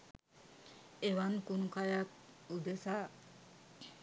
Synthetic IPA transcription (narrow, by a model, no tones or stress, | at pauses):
eʋankunukajak̚ | ud̪esa